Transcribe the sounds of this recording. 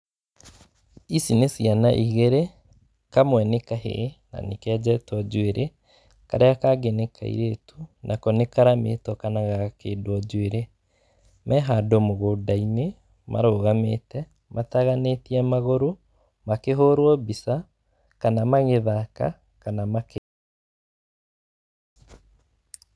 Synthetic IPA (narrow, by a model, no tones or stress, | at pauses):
isinesianaʔiɣeɾe | kamwɛnekahḛna̰nekɛd͡ʑɛtɔd͡ʑweɾʔe | kaɾeakaɡenekʰa̰ḭɾetunʔakɔnekaɾamḛtɔkanaɣakeːdwɔd͡ʒweɾe | mɛɦadomoɣodaine | mʔa̰ɾoːɣametɛ | mʔataɣanetiɛmaɣoɾo | makeɦoɾwɔbisa | kanamaɣeðaka̰ | kanamake